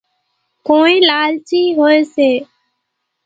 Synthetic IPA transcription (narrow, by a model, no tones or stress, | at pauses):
koːĩːlaːlt͡ʃiːɦoːeːseː